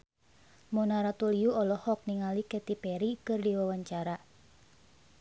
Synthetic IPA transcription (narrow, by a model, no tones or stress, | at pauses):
monaɾat̪ulijuɔlɔhɔk̚niŋalikɛt̪ipɛɾikɨrdiwawaɲt͡ʃaɾa